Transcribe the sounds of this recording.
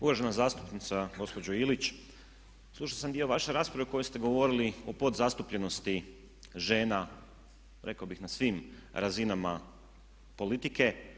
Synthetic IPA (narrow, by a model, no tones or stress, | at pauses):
uʋaʒe̞nazaːst̪u̥pnit̪saɡo̞spod͡ʑoilit͡ɕ | slˠuʃaosamd̪io̞ʋaʃe̞ɾaːspɾaʋeko̞jest̪e̞ɡo̞ʋo̞ɾiliopo̞d̪zast̪upʎe̞no̞st̪i | ʒe̞ːna | ɾʔe̞kabixnasʋimɾazinama | po̞lit̪ike̞